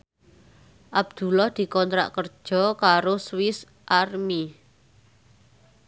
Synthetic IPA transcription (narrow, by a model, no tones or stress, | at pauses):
ʔab̚d̪̥ṳlɔhd̪̥i̤kɔnt̪ɾa̰ʔkərd̥ʒ̥ɔ̤kaɾoswɪs | ʔarmi